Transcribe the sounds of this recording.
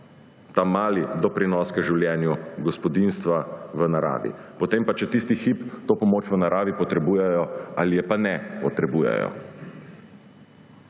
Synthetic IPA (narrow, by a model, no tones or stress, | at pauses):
t̪amaːlid̪ɔpɾinɔːskəʒiwljɛːnjuɡɔspɔd̪inst̪ʋaʋənaɾa̰ːʋḭpɔt̪empat͡ʃɛt̪ist̪ixipt̪opɔmoːt͡ʃʋənaɾaːʋipɔt̪ɾɛbuːjɛjɔalijɛpanɛpɔt̪ɾɛbuːjɛ̰jɔ̰